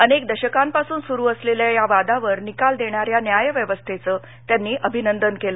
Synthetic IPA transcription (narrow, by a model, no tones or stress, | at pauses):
ənekd̪əɕəkãmpasuːnsuɾuːəsleljajaʋad̪aʋəɾnikald̪eɳ̃jaɾjanjajəʋjəʋəst̪ʰet͡səː | t̪janːiːʔəbʱinənd̪ənkelə